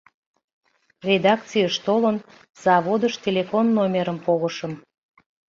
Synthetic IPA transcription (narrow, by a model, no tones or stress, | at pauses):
rʲed̪ɑk̚t͡sijəʃt̪olən | z̥ɑβod̪əʃt̪ʲelʲefonːomʲeɾəmpoɣəʃəm